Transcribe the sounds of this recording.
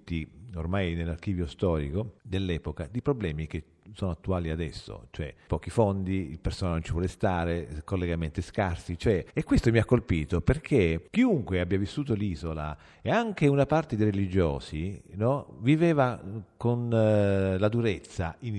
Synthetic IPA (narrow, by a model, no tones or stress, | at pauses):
t̪ːiormajnelːark̟iːvjost̪ɔːɾḭkod̪elːɛːpokad̪ipɾoblɛːmik̟e | sɔːnoat̪ːuaːliad̪ɛsːo̰t͡ʃoɛpɔːk̟ifond̪iilpersoːnanont͡ʃivwɔlest̪aːɾekolːeɡament̪eskarsit͡ʃoɛekːwest̪omiakːolpiːt̪operkʰek̟iuŋkweabːjavisːuːt̪oliːzola̰ | eaŋk̟eunapart̪ed̪eɾelid͡ʒo̰ːsinɔviveːvakon | lad̪uɾet̪sːain